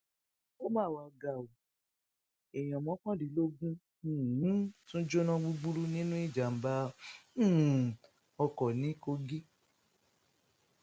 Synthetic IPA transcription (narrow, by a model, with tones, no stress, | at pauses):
o˦mãː˦˨wa˧˨ɡa˨o˨ | ɛ˨j̃ã˨mɔ̃˨˦kɔ̃˦di˨˦lo˦ɡũ˦˨˦ | tũ˦d͡ʒo˦nã˦ɡ͡bu˦ɡ͡bu˦ɾu˦nĩ˦nũ˦i˦˨d͡ʒa˨m̩˨˦bã˦˨ | ɔ˧kɔ˨nĩ˨˦ko˧ɡi˦